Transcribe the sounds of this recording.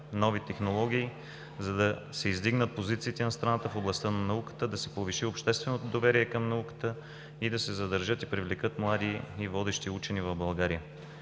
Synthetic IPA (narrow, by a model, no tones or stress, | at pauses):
nɔvit̪ɛxnolˠɔɡ̟ʲiː | zɐd̪ɐ | sɛizd̪iɡnət̪̚pozit̪siːt̪ɛnɐst̪ɾɐnat̪əfoblˠɐst̪ənɐnɐukə̥t̪əd̪ɐsɛpoviʃiopʃt̪ɛst̪vɛnot̪od̪ovɛɾiɛkɐmnɐukə̥t̪ə | id̪ɐsɛzɐd̪əɾʒɤt̪ipɾivlɛkɤt̪mlˠad̪iːvɔd̪ɛʃt̪iut͡ʃɛnivɐvbɐlˠɡaɾijə